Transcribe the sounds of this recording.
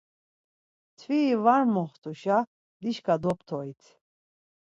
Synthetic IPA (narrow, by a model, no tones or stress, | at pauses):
t̪ʰviːvaɾmɔχt̪ʰʼuʃa | d̪iʃkad̪ɔpʰt̪ʰɔit̪ʰ